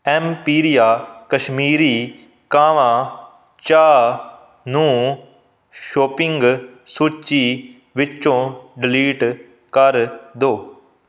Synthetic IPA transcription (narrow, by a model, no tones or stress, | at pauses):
ɛːmpiːɾijaːkəʃmiːɾiː | kaːʋãː | t͡ʃaː | nũː | ʃoːpɪŋɡsuːt͡ʃiː | ʋɪt͡ʃõːɖɪliːʈ | kəɾd̪oː